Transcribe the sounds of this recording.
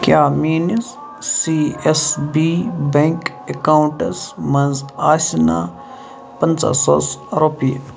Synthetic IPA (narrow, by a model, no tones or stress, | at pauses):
kjaːmiːnizː | iesbibẽŋk | ekawɳʈɐsmɐ̃nzaːsʲina | pɐnt͡sa̰sɔsɾopije